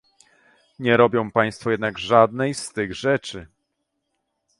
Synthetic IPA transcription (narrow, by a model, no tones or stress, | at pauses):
ɲɛɾɔbʲjɔ̃w̃paj̃st̪fɔjɛd̪naɡʐad̪̚nɛjst̪ɘɣʐɛt͡ʂɘ